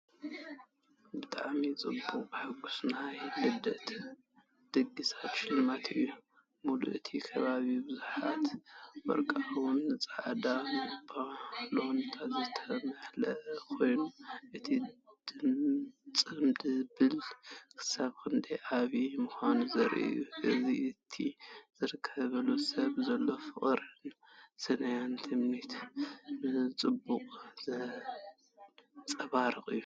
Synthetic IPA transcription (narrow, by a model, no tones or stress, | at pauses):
bɨt̪ʼaʕmit͡sʼɨ̰bːukʼbɨħaɡusnajfɨd̪ɐt̪ | d̪̥ɨɡːisat̪ʃɪlɨmat̪ʰɨjːu | mulṵʔɨt̪ʰikʰɐβaβibɨzuħa̰t̪wɔ̰ɾkʼawunːɨt͡sʼaʕd̪anɨbalohnɨt̪ʰat̪zɨt̪ʰɐmɐħlɐʔɐkʰo̞jnuʔɨt̪ʰid̪̥ɨmt͡sʼɨmd̪ɨbɨlkʰɨ̥saβkʰɨnd̪eʔaβimuxʷanuzɐɾʔḭjuʔɨziɨt̪ʰizɨɾɨkʰːɐβɐlusɐβzɐlːo̞fɨχʼɾɨn | sɨnɐjant̪ʰɨmnit̪nɨt͡sʼɨbːuqʼzɨ | t͡sʼɐβaɾɨxʼɨjːu